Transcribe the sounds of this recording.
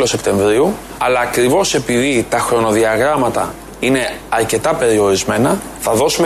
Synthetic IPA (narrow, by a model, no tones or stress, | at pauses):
lo̞se̞pt̪e̞ɱvɾiu | ɐlɐːkɾivo̞se̞piðit̪ɐxɾo̞no̞ðiɐɣɾɐmɐt̪ɐ̰ | ine̞ɐɾce̞t̪ɐpe̞ɾio̞ɾizme̞nɐ | θɐðo̞sume